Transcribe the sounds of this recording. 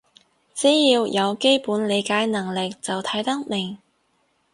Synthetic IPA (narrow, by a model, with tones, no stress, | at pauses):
t͡siː˨˥jiː˧wjɐ˨˧wke˥jpuː˨˥nle˨˧jkaː˨˥jnɐ˨˩ŋlɪ˨k̚t͡sɐ˨wt̪ʰɐ˨˥jt̪ɐ˥k̚mɪ˨˩ŋ